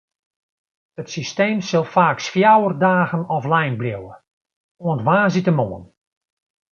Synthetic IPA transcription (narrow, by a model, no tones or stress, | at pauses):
ətsisteːmsɪlˠfaːksfjawərdaːɣənɔflɛjnbljowə | oəntʋaːzitəmoən